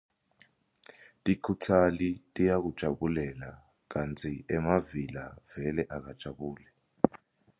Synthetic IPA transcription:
tʼikʰutʰalitʼijak̬ud̥ʒ̥ʱaɓulɛla | k̬antʰiɛmavilav̥ɛlɛʔak̬ad̥ʒ̥ʱaɓuːlɛ

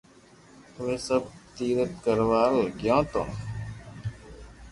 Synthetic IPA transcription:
ʋesəb̚t̪iːɾət̪kəɾʋaːlɡjãːt̪õ̰n

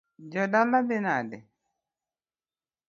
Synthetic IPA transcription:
d͡ʒɔdalabɪnadɛ̰

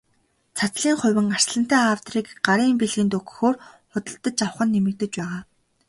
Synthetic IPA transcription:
t͡sʰat͡sɮiːŋχʊ̟wʲɘ̆ŋar̥sɮə̆n̥t̪æːawt̪riːkɢaɾiːmpeɮɣiːnt̪ɵkɵ̥̆xoːrχʊt̪ə̆ɬt̪ə̆t͡ɕaw̆χə̆nːemɘ̆k̚t̪ɘ̆t͡ɕpæːʁaː

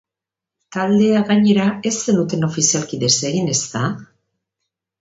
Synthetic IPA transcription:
t̪ald̪e̞aɣaɲe̞ɾae̞se̞nut̪e̞no̞fisialkiðe̞se̞ɣine̞st̪a

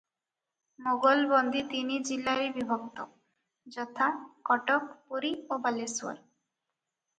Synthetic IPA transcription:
moɡolbond̪ʱit̪inid͡ʑilaɾibibʱok̚t̪o | d͡ʑɔt̪ʰakɔʈokpuɾiobalesua̰ɾ

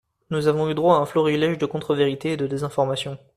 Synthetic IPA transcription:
nuzavɔ̃yd̪ʁwaːɛ̃flɔʁilɛʒd̪əkɔ̃t̪χəveʁit̪eːd̪əd̪ezɛ̃fɔʁmasjɔ̃

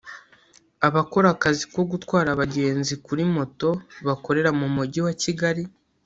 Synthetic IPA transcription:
aβako̞ɾakaziko̞ɡutwaːɾaβaɟe̞ːnzikuɾimo̞to̞βako̞ɾe̞ɾamumuɟiwaciɡaɾi

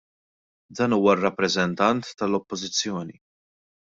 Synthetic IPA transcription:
d̪ɐːnuːwɐrːɐpːɾɛzɛnt̪ɐnt̪ːɐlɔpːɔzɪt͡sːjɔːni

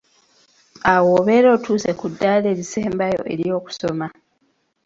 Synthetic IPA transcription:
awoːβe̞ːɾo̞ːtuːse̞kudːaːle̞ːɾise̞ːmbajo̞̰ʔe̞̰ɾjo̞ːku̥so̞ma

